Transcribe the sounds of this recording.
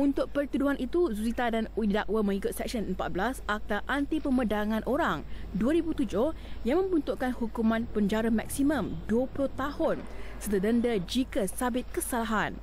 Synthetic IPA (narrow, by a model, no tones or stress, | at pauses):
unt̪ʊk̚pərt̪uduɦanʔit̪uzuzit̪adanuidaʔwəmə̃ŋikʊt̪̚sɛk̚sənəmpat̪̚blasak̚t̪aʔant̪ipəmədaŋãnʔoɾaŋduəɾibut̪ud͡ʒʊhjaŋmə̃mbunt̪uʔkanhukumãnpəɲd͡ʒaɾəmak̚simə̃mduəplot̪ahʊnsərt̪ədəndəd͡ʒikəsabɪt̪̚kəsalaɦan